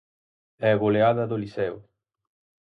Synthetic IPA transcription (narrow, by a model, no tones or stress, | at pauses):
ɛaɣoleaðɐðolisɛw